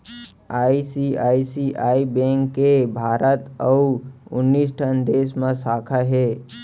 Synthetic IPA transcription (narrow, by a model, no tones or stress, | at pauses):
aːisiaːisiʔaːibẽːŋkːebʱaːɾət̪əuʊ̰nːisʈʰə̃nd̪eːsmãsaːkʰaɦeː